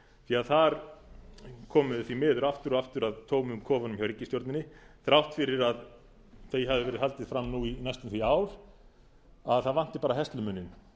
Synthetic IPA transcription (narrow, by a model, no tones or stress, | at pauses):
θiaðθaɾ | kʰɔːmʏðθimɛːðʏɾaft̪ʏɾɔaft̪ʏɾaðt̪ʰoːwmʏmkʰɔːvanʏmçjawɾicːɪst̪joɾt̪nɪnɪθɾawht̪fɪɾɪɾað | θejɦaðɪvɛːɾɪðɦal̪t̪ɪð̥fɾamːnuinajst̪ʏmθviaːwɾ̥ | aðθaðvan̥t̪ɪ̥paːɾaɦɛst̪lʏmʏnːɪn